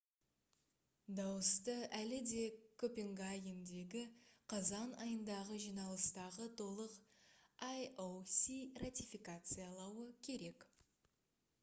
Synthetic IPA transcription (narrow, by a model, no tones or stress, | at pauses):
d̪ɑwəst̪əælɪd̪e̞kʰɵpeŋɡajɪmd̪e̞ɡʲɪqʰɑzɑnɑjənd̪ɑʁəʒijnɑlˠəst̪ɑʁət̪ʰo̞lˠəqajowsʲirat̪ʲijfikat̪sɨjalˠɑwəkʲʰe̞ɾe̞k